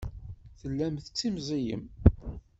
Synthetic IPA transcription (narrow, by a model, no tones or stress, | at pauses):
θəlːæmθət͡sːimzijə̰m